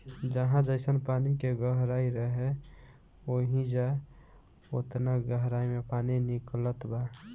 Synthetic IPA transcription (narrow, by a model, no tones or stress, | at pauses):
d͡ʒəɦãd͡ʒəɪsənpanikeɡəɦɾaiɾəɦe | oɦid͡ʒa | ot̪naɡəɦɾaimepaniniklət̪ba